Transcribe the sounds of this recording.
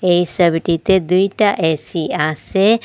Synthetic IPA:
eisəbʈit̪ed̪uiʈaʔɛːsiãse

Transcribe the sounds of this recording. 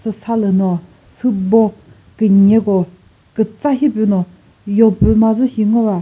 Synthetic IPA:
sʰəsʰaləno | sʰubo | kəɲeɡo | kət͡saɕepeno | joŋpømazəɕiŋ̥owa

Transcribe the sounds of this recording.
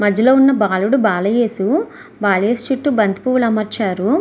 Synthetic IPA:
mɐd͡ʒɐlo̞ːunːɐbaːluɽubaːlɐjeːsu | baːlɐjeːsu̥t͡ʃuʈːubɐnd̪i̥puːʋulɐmɐɾt͡ʃaːɾu

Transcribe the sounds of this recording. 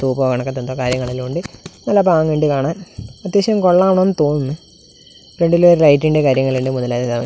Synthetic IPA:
t̪uːpoːɣaːɳokːet̪ːɐnd̪oːkaːɾjɐŋːɐɭiluɳɖɨnɐlːɐbaːŋʋeːɳɖikaːɳaːnɐt̪ːjeɕɐɐmkoɭːaːmɳonːɨt̪o̞ːnːunːɨ | pɾeɳɖiloɾlɐjtːiɳɖekaːɾjɐŋːɐɭeːɳɖemuðɐlaːt̪ːed̪aːm

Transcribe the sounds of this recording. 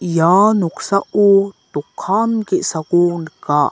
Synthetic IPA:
januksaʔut̪ukʰːankeʔsakunkaʔ

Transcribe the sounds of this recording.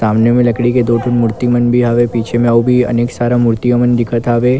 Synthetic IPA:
saːmnemẽlɐkɽiked̪oːʈʰʊnmʊɾt̪imənbʱiɦɐʋepiːt͡ʃʰemẽaubʱiɐ̰neːksaːɾamʊɾt̪ijəmənd̪ɪkʰət̪aːʋeː

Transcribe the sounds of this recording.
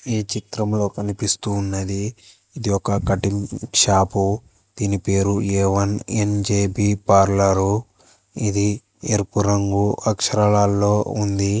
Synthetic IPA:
iːt͡ʃit̪ɾɐmlo̞ːkɐnipist̪uːnːɐd̪iː | d̪iɔkɐkɐʈimʂaːpu | d̪̥iːnipe̞ːɾueːʋɐnend͡ʒeːbiːpaːɾlɐɾu | id̪i | eɾpuɾɐŋɡuʔɐkʂɐɾɐɭaːlːo̞ːund̪i

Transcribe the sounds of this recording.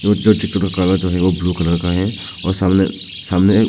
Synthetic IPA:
od͡ʒoːt͡ʃɪkt̪əɾakaːlad͡ʒoːɦɛʋobluːkɐləɾkaɦɛ̃ | ɔːɾsaːmnḛ | saːmne

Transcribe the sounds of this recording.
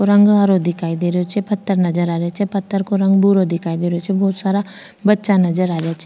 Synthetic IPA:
oɾɐ̃ŋɡɦaɾod̪ɪkʰaːid̪eːɾeot͡ʃʰɛpɐt̪ːəɾnɐd͡ʒəɾaːɾejat͡ʃʰɛpɐt̪ːəɾkoɾɐ̃ŋɡ̚buɾod̪ɪkʰaːid̪eːɾeot͡ʃʰɛbɔːt̪saːɾa | bɐtːʃanɐd͡ʒəɾaːɾejat͡ʃʰɛ

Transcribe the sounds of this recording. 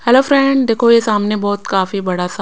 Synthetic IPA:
hɛloːfɾɛ̃ːɳɖd̪eːkʰojesaːmnebɔːt̪kaːfibɐɽasa

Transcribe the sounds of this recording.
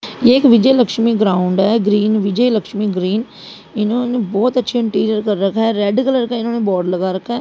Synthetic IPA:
jeːɪkʋɪd͡ʒeːləkʃmiːɡɾaːʊɳɖɛːɡɾiːnʋɪd͡ʒɛeːləkʃmiːɡɾiːn | ɪnãːneːbɔːt̪ətːʃʰeːɪ̃ɳʈiːɾijəɾkəɾːəkʰːɛːɾɛːɖkələɾəkʰɛːɪnãːnẽːbɔːɾɖləɡaːɾəkʰːɛː

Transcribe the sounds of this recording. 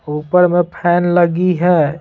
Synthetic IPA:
uːpəɾmẽpʰɛːnləɡiɦɛː

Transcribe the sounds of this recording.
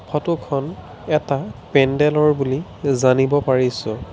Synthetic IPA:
kʰɔtukʰɔn | ɛtapɛndɛlɔɹbulizanibɔpaɹisʊ

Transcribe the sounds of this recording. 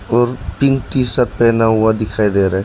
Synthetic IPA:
ɔːɾpiŋʈ̪isat̪̚pɛːnaɦuad̪ɪkʰaid̪eɾa

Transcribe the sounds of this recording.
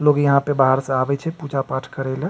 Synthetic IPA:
loːɡjɐɦãpebaɦəɾseaːbɛt͡ʃʰɛpuːd͡ʒapaːʈʰkəɾelẽ

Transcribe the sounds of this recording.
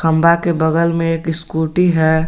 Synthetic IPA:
kʰə̃mbakebəɡəlmẽeːkɪskuːʈiɦɛː

